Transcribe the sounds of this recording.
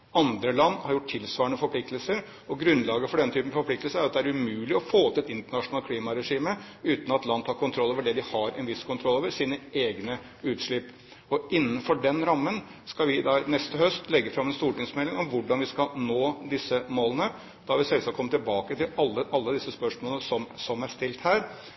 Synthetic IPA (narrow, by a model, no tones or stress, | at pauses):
ɑnd̪ɾəlɑnːhɑɾjʊʈ̚t̪ʰːɪlsʋɑːɾəɳəfɔɾpʰlɪk̚t̪əlsəɾ | ɔɡɾʉnlɑːɡəfɔɖɛnt̪ʰyːpən̩fɔɾpʰlɪkt̪lsəɾæɾʊɾɑt̪d̪ɛæʉmʉːlɪɔfoːt̪ʰːɛt̪ɪnt̪əɳɑʂʊnɑlkʰliːmɑɾɛʂiːməʉːt̪nɔɑt̪lɑnd̪ʰɑːɾkʰʊnt̪ʰɾɔlːoːʋəɖɛd̪ɪhɑɾɛnʋɪskʰʊnt̪ʰɾɔlːoːʋəɾʂiːnəeːɡnə | ʉːt̪ʂɭɪpː | ɔɪnːənfɔɖɛnɾɑmːənskɑʋɪd̪ɑnɛst̪əhœst̪ʰlɛɡːəfɾɑmɛnst̪uːʈɪŋsmɛlːɪŋɔmʋʊɖɑnʋɪskɑnoːd̪ɪsəmoːlənə | d̪̥ɑɑɾʋɪsɛlsɑkʰɔmət̪ʰɪlbɑːkət̪ʰɪlɑlːəʔɑlːəd̪ɪsəspœʂmoːlnəsɔmsɔmæɾʂt̪ɪlt̪hæːɾ